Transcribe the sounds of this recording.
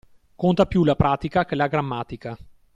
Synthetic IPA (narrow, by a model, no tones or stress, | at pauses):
kont̪apjulapɾaːt̪ikakelaɡɾamːaːt̪ika